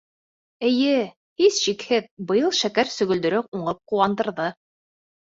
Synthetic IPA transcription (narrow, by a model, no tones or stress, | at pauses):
ɘ̆jɘ | hisʃikhɘðbɤ̆jɤlˠʃækæɾsɵ̆ɡɵ̆ld̪ɵ̆ɾɵp̚uɴɤp̚quwɑnd̪ɤ̆ɾðɤ